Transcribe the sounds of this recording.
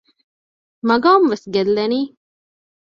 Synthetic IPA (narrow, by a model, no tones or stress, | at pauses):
mɐɡaːmʋesɡelːɐniː